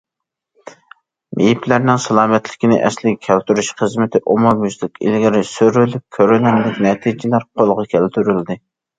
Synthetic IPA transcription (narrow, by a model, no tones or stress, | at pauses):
mʔejiplæɾnɪŋsɑlˠɑːmɛt̪lɪkʲinɪ̰ʔɛ̰slɪɡʲɛkʲʰælt̪yɾyʃχəzmɪt̪ʰɪʔomɑmyzlɪkʲɪ̰lɡʲɪɾɪsøɾylyp̚kʲʰøɾynɛnlɪkʲnɛt̪ʰid͡ʒɪlæɾqʰolˠʁɑkʲʰɛlt̪ʰyɾyld̪ɪ